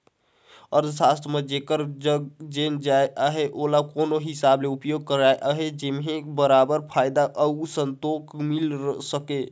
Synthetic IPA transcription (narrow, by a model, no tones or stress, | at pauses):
əɾd̪sast̪ʰəmed͡ʒekəɾd͡ʒəɡd͡ʒend͡ʒaeʔaɦeʔolakonoɦisableupjoɡ̚kəɾaeʔaɦed͡ʒemɦẽbəɾabəɾpʰajd̪aʔəusənt̪okmilɾsəke